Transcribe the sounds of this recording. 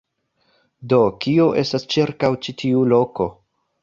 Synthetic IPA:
do̞kio̞ʔe̞stast͡ʃiɾkawt͡ʃitʰiulo̞ko̞

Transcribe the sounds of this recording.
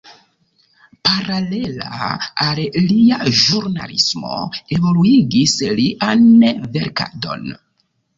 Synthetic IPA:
paɾalela̰alliaʒuɾna̰lḭsmo̰e̞vo̞luiɡisliʔaneve̞ɾka̰do̞̰n

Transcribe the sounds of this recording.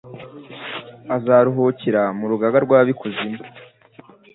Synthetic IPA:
azaɾuɦociɾamuɾuɡaɡaɾɡwaːβikʰuzima

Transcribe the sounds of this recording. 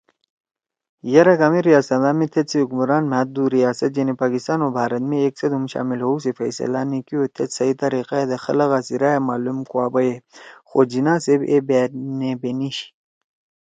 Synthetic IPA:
jɐɾɐkaːmiɾijaːsɐd̪aːmet̪ʰet̪siukmuɾaːnmat̪̚d̪uɾijaːsɐt̪̚d͡ʒenipaːkist̪aːnobʱaːɾɐt̪meeksɐd̪humɕa̰ːmilɦousifɐ̰jsɐ̰laːnikiot̪ʰet̪sɐit̪ɐɾiqaed̪exɐlɐɣaːsiɾajemaːlumkwaːbɐjexod͡ʑinaːsebebenebeniɕ

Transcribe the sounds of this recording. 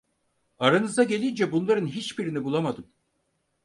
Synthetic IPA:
aɾanɯzd̪aɟe̞lʲind͡ʒɛbunlˠaɾɯnɦit͡ʃbiɾinibulˠamad̪ɯm

